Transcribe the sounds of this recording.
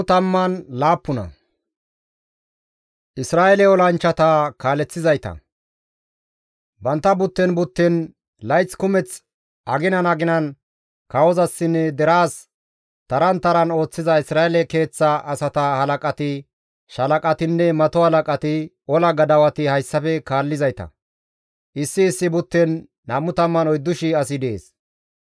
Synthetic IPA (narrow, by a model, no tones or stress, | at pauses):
t̪ɐmːɐnlaːpːʊnɐ̰ | ʔɪsɾaːɛlɛɔlɐnt͡ʃːɐt̪akaːlɛt͡sːɪzɐjt̪ɐ̰ | bɐnt̪ːɐbʊt̪ːɛnbʊt̪ːɛn | lɐjt͡skʊmɛt͡s | ɐɡɪnɐnɐɡɪnɐn | kɐwɔzɐsːɪnːɛd̪ɛɾaːs | t̪ɐɾɐnt̪ɐɾɐno̞ːt͡sːɪzɐɪsɾaːɛlɛke̞ːt͡sːɐːsɐt̪ɐhɐlɐkʼɐt̪ɪ | ʃɐlɐkʼɐt̪ɪnːɛmɐt̪ɔhɐlɐkʼɐt̪ɪ | ɔlɐɡɐd̪ɐwɐt̪ɪhɐjsːɐfɛkaːlːɪzɐjt̪ɐ̰ | ʔɪsːɪːsːɪbʊt̪ːɛnː | amːʊt̪ɐmːɐnɔjd̪ːʊʃɪɐsɪd̪eːs